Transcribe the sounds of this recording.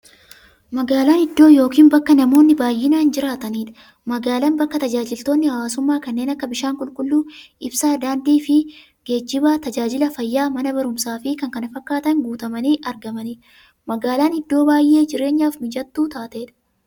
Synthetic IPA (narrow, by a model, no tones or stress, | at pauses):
mɐɡaːlaːnɪd̪ːo̞ːjo̞ːkiːnbɐkːɐnɐmo̞ːnːɪbaːjːɪnaːnd͡ʒɪɾaːt̪ɐniːᶑ̪ɐ̥ | mɐɡaːlɐnbɐkːɐt̪ɐd͡ʒaːd͡ʒɪlt̪o̞ːnːɪhɐwaːsʊmːaːkɐnːeːnɐkːɐbɪʃaːŋkʼʊlkʼʊlːuː | ɪbsaːd̪aːnd̪iːfɪ | ɡ̥e̞ːd͡ʒːɪbaːt̪ɐd͡ʒaːd͡ʒɪlɐfɐjːaːmɐnɐbɐɾʊmsaːfɪkɐŋkɐnɐfɐkːaːt̪ɐŋɡuːt̪ɐmɐniːʔɐɾɡɐmɐniːᶑ | mɐɡaːlaːnɪd̪ːo̞ːbaːjʔːe̞ːd͡ʒɪɾe̞ːɲːaːfmɪd͡ʒɐt̪ːuːt̪aːt̪eːᶑ̪ɐ̥